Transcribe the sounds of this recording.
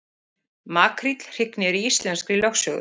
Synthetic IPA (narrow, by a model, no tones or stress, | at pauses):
maːkɾit̪l̥r̥ɪknɪɾiist̪lɛnskɾilɔxsœːɣʏ̰